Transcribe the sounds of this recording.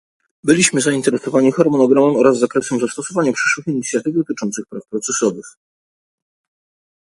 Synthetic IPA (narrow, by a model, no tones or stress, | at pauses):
bɘlʲiɕmɘzaint̪ɛɾɛsɔvaɲixaɾmɔnɔɡɾamɛmɔɾazːakɾɛsɛmzast̪ɔsɔvaɲapʂɘ̥ʂwɘfiɲit̪sʲjat̪ɘvd̪ɔt̪ɘt͡ʂɔnt̪sɘxpɾafpɾɔt̪sɛsɔɾuf